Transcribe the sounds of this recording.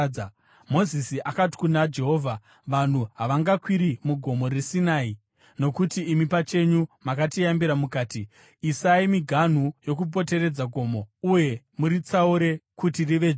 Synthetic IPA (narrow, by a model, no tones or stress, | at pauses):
mo̞zisiʔakati̥kunad͡ʒe̞ɦo̞ːvʱa | ʋan̤uɦaʋaŋɡakwiɾimuɡʱo̞mo̞ɾisinaːi | no̞kutiːmipat͡ʃe̞ɲumakatijambiɾamukaːti | isaimiɡʱan̤ujo̞k̬up̬o̞te̞ɾe̞d͡zaɡʱo̞ːmouje̞ | muɾit͡sauɾe̞kutiriʋe